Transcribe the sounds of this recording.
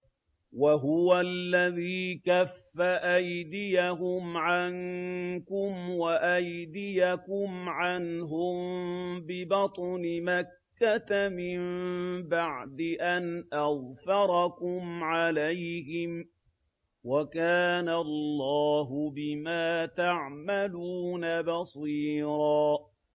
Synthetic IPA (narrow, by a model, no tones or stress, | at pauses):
waɦʊwalːaðiːkafːaʔajd̪ɪjahʊmʕankʊmwaʔajd̪ɪjakʊmʕanɦʊmbɪbɑt̪ˤnɪmakːat̪amɪmbaʕd̪ɪʔanʔaðfɑɾˤɑkʊmʕalajhɪm | wakaːnalːɑːɦʊbɪmaːt̪aʕmaluːnabɑsˤiːɾɑː